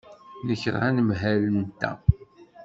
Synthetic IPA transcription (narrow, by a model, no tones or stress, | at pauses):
nəçɾʁænəmɦælənt̪ːæ̰